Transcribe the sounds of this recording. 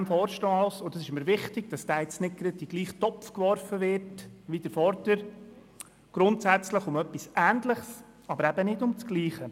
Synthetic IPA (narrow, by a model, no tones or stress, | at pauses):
ɛmfɔːɾʃtɔɑlsʊdɑsɪʃɪmːəɾʋɪχtɪɡ̥d̥ɑsd̥æːɛt͡snɪt̚ɡ̥ɾəd̚d̥iɡ̥liːχtɔpfkʋɔɾfəʋɪɾtʋid̥əɾfɔɾdəɾ | ɡ̥ɾʊntsæt͡sləχʊmœpːisʔæːntləχs | ʔɑbəɾæbənɪdʊmt͡sɡ̥liːχə